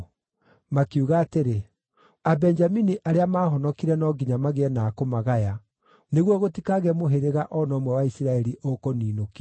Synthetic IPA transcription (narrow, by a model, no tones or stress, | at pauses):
makeuɣaːteɾe | abɛɲd͡ʒaminiʔaɾeamaːhɔnɔkiɾɛnɔɡiɲamaɣeɛnaːkomaɣaja | neɣwɔɣotikaɣɛmoɦeɾeɣaʔɔnɔmwɛwaisiɾaɛɾiʔokoniːnoki